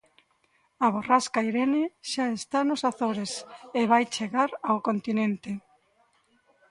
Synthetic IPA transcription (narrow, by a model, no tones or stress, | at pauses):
aβ̞oraskaiɾeneʃaest̪anʊsaθoɾeseβajt͡ʃeɣaɾawkont̪inẽnt̪ɪ